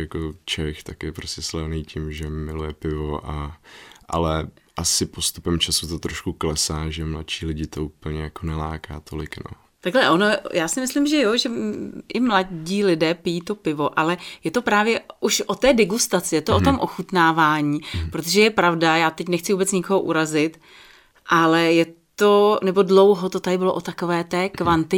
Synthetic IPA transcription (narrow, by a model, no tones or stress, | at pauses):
jakot͡ʃɛxt̪akjɛpɾoscɛslɛvnijcɪmʒɛmɪlujɛpɪvoʔaʔa̰lɛʔasɪpo̞st̪upɛmt͡ʃasut̪ot̪ɾoʃkuklɛsaːʒɛmla̰t̪ʃiːlɪɟɪt̪o̞uːpl̩ɲɛjakonɛlaːkaːt̪ʰolɪkno̰ | t̪aɡlɛʔo̞nojaːsɪmɪslɪmʒɛjoʒɛʔɪmlaɟiːlɪdɛːpɪjiːt̪o̞pɪvoʔalɛjɛt̪o̞pɾaːvjɛʔuʃʔot̪ɛːdɪɡust̪at͡sɪjɛt̪oʔot̪o̞mʔo̞xut̪naːvaːɲiːpɾot̪oʒɛjɛpɾavdajaːt̪ɛcnɛxt͡sɪvuːbɛt͡sɲɪkoɦoʔuɾazɪt̪ | ʔalɛjɛt̪o̞nɛbo̞dlowɦo̞t̪o̞t̪adɪbɪloʔot̪ako̞vɛːt̪ɛːkvant̪ɪ